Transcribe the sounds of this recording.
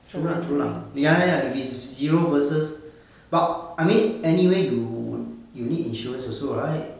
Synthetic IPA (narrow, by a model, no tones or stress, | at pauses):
amnatʰulã̰jaaifisziɹovəsəs | b̥at̚ajmĩnɛniweju | junidḭ̃nʃuɹə̃nsɔsoɹaɪt̚